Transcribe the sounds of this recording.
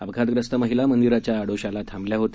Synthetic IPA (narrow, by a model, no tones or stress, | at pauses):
əbɡʱat̪ɡɾəst̪əməɦilamənd̪iɾat͡ɕjaːɽoɕalat̪ʰãmbljaɦot̪e